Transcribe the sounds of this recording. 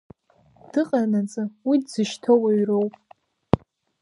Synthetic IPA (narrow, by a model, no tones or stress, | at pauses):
d̥ɨqʼanat͡sʼɨwidzɨʃtʰowaɥrowpʼ